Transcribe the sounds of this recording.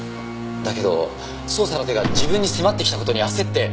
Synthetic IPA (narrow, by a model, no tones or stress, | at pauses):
d̪ake̞d̪o̞̰ | so̞ːsaɾat̪e̞ɡad͡ʑibɯ̟̃ɲ̟ːisemat̪ːe̞kʲit̪ako̞t̪o̞ɲ̟iase̞t̪ːe̞